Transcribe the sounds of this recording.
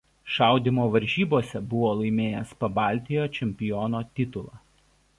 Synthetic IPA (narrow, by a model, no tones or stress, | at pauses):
ʃɑˑʊd̪ʲɪmoːʋɐɾʲʒʲiːboːsʲɛbʊʋoːlˠɐɪmʲeːjɛspɐbɑːˑlʲˑt̪ʲɪjoːt͡ʃʲɛmʲpʲɪjɔːnoːt̪ʲɪt̪ʊlˠɑː